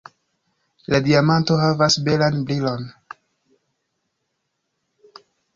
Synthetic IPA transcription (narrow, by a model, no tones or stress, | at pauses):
ladiamanto̞ɦavasbe̞lanbɾilo̞n